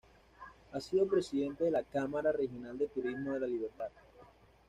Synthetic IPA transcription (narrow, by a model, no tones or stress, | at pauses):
asiðo̞pɾe̞siðe̞nt̪e̞ðe̞lakamaɾare̞xjo̞nald̪et̪uɾizmo̞ðe̞laliβ̞eɾt̪að